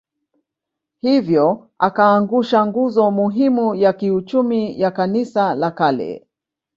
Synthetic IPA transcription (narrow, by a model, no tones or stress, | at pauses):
hivjɔ | akaːŋɡuʃaŋɡuzɔmuɦimujakiut͡ʃumijakanisalakalɛ̰